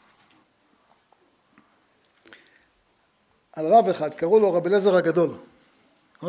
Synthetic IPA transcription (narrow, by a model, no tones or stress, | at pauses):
ʔalʁaveχad̪kaʁuloʁabile̞zeʁhaɡad̪o̞l | a